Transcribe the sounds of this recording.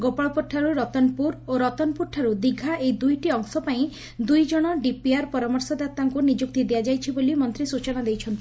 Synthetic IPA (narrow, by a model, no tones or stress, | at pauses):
ɡopaɭpɔʈʰːaɾuɾɔt̪ɔnpuɾoɾɔt̪ɔnpuɾʈʰːaɾud̪iɡʱaejd̪ujʈiɔŋsɔpaĩ | d̪ujd͡ʒɔɽ̃ɔɖipiaɾpɔɾamɔɾsɔd̪at̪aŋkunid͡ʒuk̚t̪id̪ejad͡ʒajt͡ʃʰibolimɔnt̪ɾisut͡ʃɔnad̪ejt͡ʃʰɔnt̪ʰii